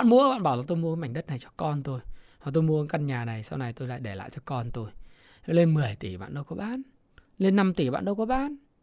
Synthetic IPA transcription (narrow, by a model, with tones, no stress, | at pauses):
aː˧˨nmu˧əɓa̰ː˧˨nɓaː˧˩wlaː˨˩t̪o˧jmu˧ə˧˦ma˧˩ŋ̟ɗə˦˥t̚na˨˩jt͡ɕɔ˧kɔ˧nt̪o˧jha˨˩t̪o˧jmu˧ə˧ə˧˦ka˧nɲaː˨˩na˨˩jsa˧wna˨˩jt̪o˧jla̰ː˧˨ɗe˧˩la̰ː˧˨jt͡ɕɔ˧kɔ˧nt̪o˧j | le˧nmɨ˨˩əjt̪i˧˩ɓa̰ː˧˨nɗə˧wkɔ˨˦ɓaː˨˦˥n | le˧nːa˧mt̪i˧˩ɓa̰ː˧˨nɗə˧wkɔ˨˦ɓaː˨˦n